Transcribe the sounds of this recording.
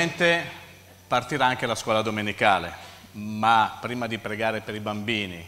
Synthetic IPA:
ent̪e | part̪iɾaaŋk̟ealaskwɔːlad̪omenikaːle | mapːɾiːmad̪ipɾeɡaːɾepeɾibambiːni

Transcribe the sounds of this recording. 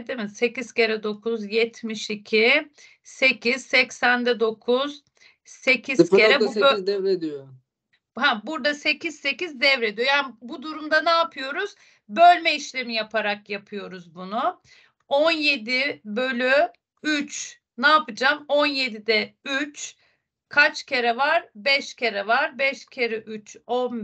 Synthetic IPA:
d̪emɪse̞ciz̥ce̞ɾɛd̪o̞kʰuzjɛt̪ʰmiʃicʰi | se̞cʰiz̥sɛcsænd̪ɛd̪o̞kʰuz̥ | se̞cʰizeɾɛd̪ɛvɾed̪ijo | ɦæbuɾd̪ase̞cʰiz̥se̞cizd̪ɛvɾed̪ijo̞jaːnbud̪uɾumd̪anaːpʰɯjo̞ɾuz̥ | bølʲmɛiʃlʲe̞mijapʰaɾakjapʰɯjo̞ɾuzbunu | onje̞d̪ɪbølʲy | yt͡ʃ | naːpɯd͡ʒamo̞nje̞d̪id̪ɛyt͡ʃ | kʰat͡ʃcʰe̞ɾɛvaɾbɛʃcʰe̞ɾɛvaɾbɛʃcʰeɾɛʔyt͡ʃon

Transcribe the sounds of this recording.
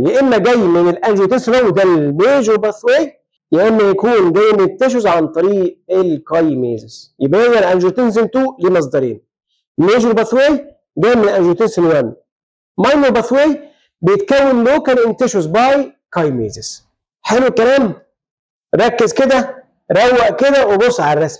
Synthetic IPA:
leʔemːæɡæjːmɪnelʔænʒot̪eːnsnæwːd̪ælmeːʒoɾbæθweːj | leʔenːæjækuːnɡæjːement̪eʃ̬ozʕant̪ˤɑɾiːʔelkɑjmḛːzesjɪbʔæʔezælʔænʒot̪ens̬ɪnt̪uːlimɑz̬ˤd̪ɑɾḛːn | meːʒoɾbɑθweːj | ɡæmːelʔænʒot̪eːnsenwænː | mɑjnobɑθweːj | bejet̪kæwːenloːkæːnʔent̪æʃozbɑʕikɑjmḛːzɪz̥ | ħelwkælæːm | ɾˤɑkːezked̪æ | ɾˤɑwːæʔked̪æwebosˤːʕalærˤːæsm

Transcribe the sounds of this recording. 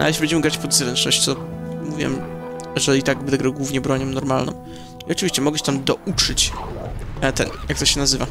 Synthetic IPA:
ʔa̰jeɕlʲibɛɲd͡ʑɛmɘɡɾat͡ɕpɔd̪zɾɛnt͡ʂnɔɕt͡ɕt̪ɔmuvʲjɛ̰mjɛʐɛlʲit̪aɡbd̪ɛɡɾɛɡwuvɲɛbɾɔɲɔmnɔɾmalnɔ̰̃m̃ | iɔt͡ʂɨvʲiɕt͡ɕɛmɔɡɛɕɛ̥t̪amd̪ɔʔut͡ʂɨt͡ɕ | t̪ɛ̰njak̚t̪ɔɕɛnazɘva

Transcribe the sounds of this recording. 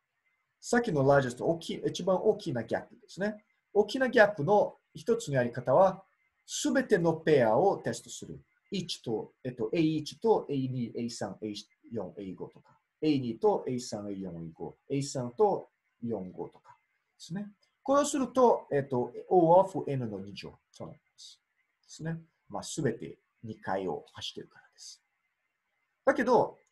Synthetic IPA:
sakʲino̞laːd͡ʑesɨ̥t̪ookʲiet͡ɕibãɰ̃ʔo̞ːkʲinaɡʲa̰pːɯ̟d̪̥e̞sɨne̞ | oːkʲinaɡʲapːɯ̟no̞ | çi̥t̪o̞t͡sɨnojaɾʲikat̪aβa | sɨbe̞t̪e̞no̞pe̞ao̞t̪e̞sɨ̥t̪o̞̥sɨɾɯ̰ | it͡ɕi̥t̪oet̪ːo̞ʔeiːt͡ɕi̥t̪o̞ʔeiɲiʔeisã̰ŋei | jõ̰ŋeiɡo̞̰t̪o̞̥kḁ | e̞iɲʲiːt̪o̞ʔeisãɰ̃eijõ̞ŋiɡo̞̰ːe̞isãnt̪o̞ | jõ̞ŋɡo̞̰ːt̪o̞̥kḁ | d̪̥e̞sɨne̞ | ko̞ɾeosɨɾɯ̟t̪o̞et̪ːo̞oːaɸɯ̟ʔe̞nɯ̟no̞ɲ̟id͡ʑo̰ː | soːna̰t̪d̪esɨ̥ | d̪̥e̞sɨne̞ | maːsɨbe̞t̪e̞̰ | ɲ̟ikaio̞̰haɕi̥t̪ːe̞ɾɯ̟kaɾad̪̥esɨ̥ | d̪̥ake̞d̪o̞

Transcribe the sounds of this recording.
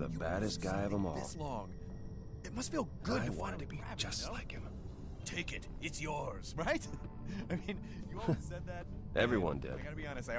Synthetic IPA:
ðə̰bæɾɨst̚ɡ̥aɪʌvə̃mɔ̰lˠslɔ̃ŋ | ɨt̚mʌstfilˠɡʊdɨwɑ̃ñtɨd̚tʰɨbi̥d͡ʒ̥ʌslaɪkɪvə̃ | tʰeɪkɨtɨtsjɔɹz̥ɹaɪt | aɪmĩn | jɨsɛd̪̚ðæt̚ | ʔɛvɹiwʌ̰̃ndɪ̰d̥ɡbiɑnɨst

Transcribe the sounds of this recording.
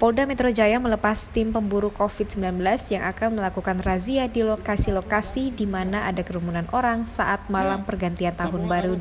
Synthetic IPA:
pɔldamɛt̪ɾod͡ʒajamələpast̪ɪmpəmbuɾukofit̪̚səmbilanbəlasjaŋʔakanməlakukanraziadilokasilokasidimanaʔadakəɾumunanʔoɾaŋsa̰ʔat̪̚malampərɡant̪iant̪aɦʊnbaɾu

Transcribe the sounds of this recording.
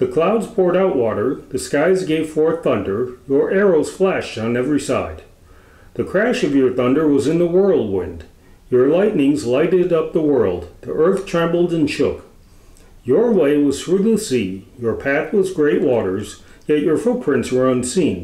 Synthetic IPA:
ðɨkʰl̥aʊdz̥pʰɔɹɾaʊʔ̚wɔɾə˞ðɨskaɪzɡeɪv̥fɔɹθʌ̃ndə˞jə˞ʔɛɹoʊz̥flæʃtn̩ɛvɹisa̰ɪd̪̥̚ | ðɨkʰɹ̥æʃʌvjə˞θʌ̃ndə˞wʌzɨ̃nðəwɜ˞lˠd̚wɪ̰̃nd | jə˞laɪtⁿnɪ̃ŋzlaɪɾɨɾʌp̚ðəwɜ˞lˠd̪̚ðḭʔɜ˞θtʰɹ̥ɛ̃mbl̩ˠdɨ̃nʃʊk | jə˞weɪwʌz̥θɹʉðəsijə˞pʰæθwʌzɡɹeɪʔ̚wɔɾə˞z | jɛt͡ʃə˞fʊt̚pʰɹ̥ɪ̃ntswə˞ʌ̃nsĩn

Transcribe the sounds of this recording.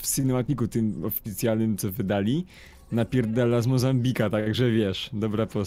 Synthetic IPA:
fsinɛmat̪ʲikut̪ɘmɔfʲit̪sʲjalnɘmt̪sɔvɘd̪alʲi | napʲiɾd̪ɛlːazmɔzambʲikat̪aɡʐɛvʲjɛʂd̪ɔbɾapɔ

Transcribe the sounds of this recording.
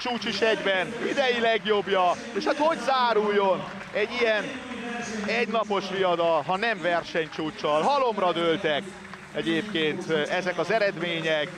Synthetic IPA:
t͡ʃuːt͡ʃiʃɛɡbɛnid̪ɛjilɛɡjo̞bjɒ | eːʃhat̪ho̞ɟzaːɾujːo̞n | ɛɟːijɛn | ɛɟnɒpo̞ʃʋijɒd̪ɒlɦɒnɛɱvɛrʃɛɲt͡ʃuːt͡ʃɒlɦɒlo̞mrɒd̪ølt̪ɛk | ɛɟeːpkeːnt̪ɛzɛkɒzɛɾɛd̪meːɲɛk

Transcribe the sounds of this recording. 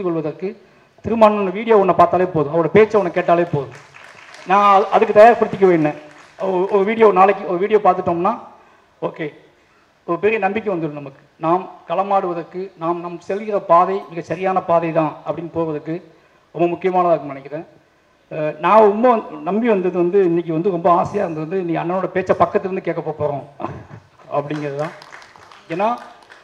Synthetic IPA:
d̪ɯkːɔɭʋɐðɐɾkːɯ | t̪ɪɾɯmaːnɐnːɐʋiːɽɪjoːɔɳːɐpaːɾt̪aːlɐeːpoːðɯ̃ɐʋɐɭɽɐpeːt͡ʃːɐɔnːɐkːeːʈːaːlɐeːpoːðɯ̃ | nãːɐʔɐðɯkːɯt̪ɐjaːɾpɐɽɯt̪ːɪk̬ːɐʋeːɳːẽː | ɔɾɯʋiːɽɪjoːnaːɭɐkːɯ̃ɔɾɯʋiːɽɪjoːpaːɾt̪ɯʈːoːmnːaː | oːkeː | ɔɾɯpɛɾɪjɐnɐmbɪk̬ːɯ̃ʋɐnd̪ɯɽɯ̃nɐmːɐkːɯ̥naːmkɐlɐmaːɽɯʋɐðɐɾkːɯnaːmnɐmsɛlɣɪɾɐpaːðɐɪɪnɪɡɐsɐɾɪjaːnɐpaːðɐɪt̪ãːɐpːɐɽɪnːpoːɣʋɐðɯkːɯ | ɾɔmbɐmʊkːɪjɐmaːnɐðaːkːɯnɐnɪkːɾẽː | nãːɾɔmbɐnɐmbiʋɐnd̪ɐðɯʋɐnd̪ɯɪnːɪk̬ʲːɯʋɐnd̪ɯɾɔmbɐaːsɪjaːɪɾɯnd̪ɐɾɐnd̪ɯɪnːikːɐɐnːɐnoːɽɐpeːt͡ʃːɐpɐkːɐt̪ːɪɾnd̪ɯk̬eːʈkːɐpːoːpoːɾõː | ɐpːɐɽɪŋɡɪɾɐðɯt̪ãː | eːnːaː

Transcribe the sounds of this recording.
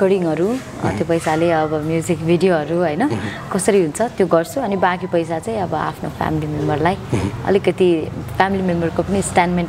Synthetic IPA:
kʌɽiŋɦʌɾu | ʌ̰t̪jopʌjsaleʌbʌmjud͡zikbʱiɖijoɦʌɾuɦʌjnʌ | kʌsʌɾiɦunt͡sʰʌt̪joɡʌrt͡sʰuʌnibãkipʌjsat͡saĩʌbʌa̰pʰnopʰa̰milimembʌrlajʌ̰likʌt̪ipʰamilimembʌrkopʌnisʈanmen

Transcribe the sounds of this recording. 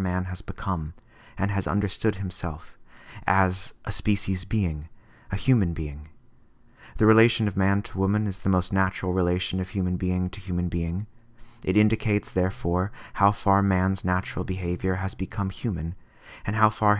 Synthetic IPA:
mæ̃nɨzbɨkʰʌ̃m | ɨ̃nɨzʌ̰̃ndə˞stʊd̚ɨ̃msɛ̰lˠfʔɨzʔəspiʃizbiɪ̃ŋ | ɨhjʉmɨ̃nbiɪ̃ŋ | ðɨɹileɪʃɨ̃nʌvmæ̃ntʰəwʊmɨ̃nɨzðəmoʊstnæt͡ʃɹl̩ˠɹileɪʃɨ̃nʌv̥hjʉmɨ̃nbiɪ̃ŋtʰɨhjʉmɨ̃nbiɪ̃ŋ | ʔɨɾɪ̃ndɨkʰeɪtsðɛɹfɔɹhaʊfɑɹmæ̃nznæt͡ʃɹl̩ˠbɨɦeɪvjə˞ɨzbɨkʰʌ̃mhjʉmɨ̃n | ɨ̃nɦaʊfɑɹ

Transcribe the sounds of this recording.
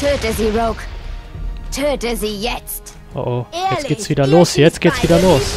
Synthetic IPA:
tʰudɪziɹoʊk | tʰudɪzijɛtt | ʔo̰ʔojɛɡ̥eːtsv̥iːdɐloːsjɛt͡stɡ̥eːtsv̥iːɾɐloːs

